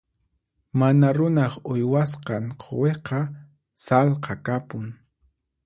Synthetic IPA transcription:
manaɾʊnɑχʊjwasqɑɴqʰo̰weqɑ | salqɑkapʊŋ

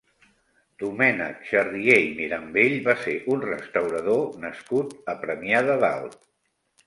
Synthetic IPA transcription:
d̪̥umɛnə̰kʃərðiejmiɾəmbeʎbaseʔunrəst̪əwɾəð̞onəskut̪əpɾəmiaðəða̰lˠt̪

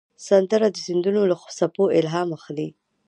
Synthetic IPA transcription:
sand̪əɾad̪əzɪnd̪unolaxsapoʔɪlɦɑmaxli

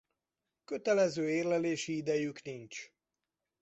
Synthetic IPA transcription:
kø̞t̪ɛlɛzøːeːrlɛleːʃiid̪ɛjyknint͡ʃ

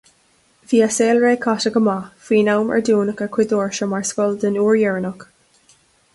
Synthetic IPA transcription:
viːaseːlɹeːkʰatəɡəmaːfiːnawmə̰ɹduːnəkakʰwɪd̪oːɹʃəmaɹskɔld̪ənuːɹjɛɹənɔk

